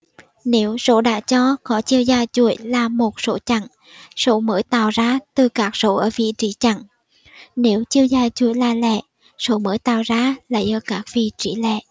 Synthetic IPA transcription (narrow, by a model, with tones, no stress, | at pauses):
ne˨˦wzo̰˧˦ɗa̰ː˧˥t͡ɕɔ˧kɔ˨˦t͡ɕi˧əwzaː˨˩jt͡ɕu˧˩əjlaː˨˩mo˨˩t̚so˨˦t͡ɕa˧˩ŋ | so˨˦məː˨˦jt̪a̰ː˧˨wzaː˨˧˥t̪ɨ˨˩kaː˦˥k̚so˨˦ʔəː˧˩vḭ˧˨t͡ɕḭ˧˦t͡ɕa̰˧˩ŋ | ne˨˦wt͡ɕi˧əwzaː˨˩jt͡ɕu˧˩əjlaː˨˩lɛ̰˧˩˨ | so˨˦məː˨˦jt̪a̰ː˧˨wzaː˧˥la̰ː˧˨jʔəː˧˩kaː˦˥k̚vḭ˧˨t͡ɕi˧˦lɛ̰˧˨ʔ